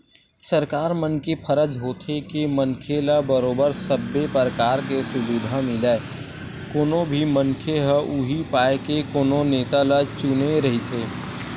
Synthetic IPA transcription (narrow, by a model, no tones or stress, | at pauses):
səɾkaːɾmənkepʰəɾəd͡ʒɦoːt̪ʰekimənkʰelabəɾoːbəɾsəbːepəɾəkaːɾkesʊluːd̪ʱamɪleː | koːnõbʱimənkʰeɦəʔuɦipaːekekoːnõneːt̪alat͡ʃʊneɾɐɦit̪ʰeː